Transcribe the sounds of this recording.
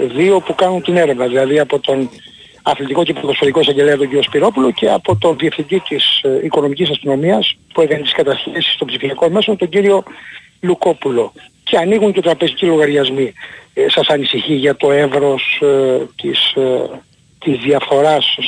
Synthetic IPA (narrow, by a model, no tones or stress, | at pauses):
ðio̞pukɐnunt̪ine̞ɾe̞vnɐðilɐðiɐpo̞t̪o̞n | ɐθlit̪iko̞ceɐpt̪osfoðiko̞isɐɲɟe̞leɐt̪o̞ɲɟiɾiospiɾo̞pulo̞ce̞ɐpo̞t̪o̞nðiefθind̪it̪isiko̞no̞micisɐst̪ino̞miɐspuekɐnet̪i̥skɐt̪ɐçesi̥st̪o̞mbsifiɐko̞me̞so̞nt̪oɲɟiɾio̞ | luko̞pulo̞ce̞ɐniɣuɲcet̪ɾɐpe̞zicilo̞ɣɐɾʝɐzmisɐsɐnisiçiʝɐt̪o̞e̞vɾo̞st̪is | t̪izðiɐfθo̞ɾɐs